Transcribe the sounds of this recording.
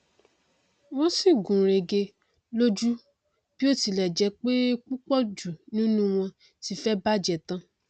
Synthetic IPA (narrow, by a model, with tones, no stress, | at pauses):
wɔ̃˦si˦˨ɡũ˨ɾe˨ɡe˧ | lo˦d͡ʒu˦ | b̥i˦o˦˨ti˧lɛ˨d͡ʒɛ˧k͡pe˦k͡pu˦k͡pɔ˦d͡ʒu˨nĩ˦nũ˦w̃ɔ̃˧ | ti˧fɛ˦ba˦d͡ʒɛ˨tã˧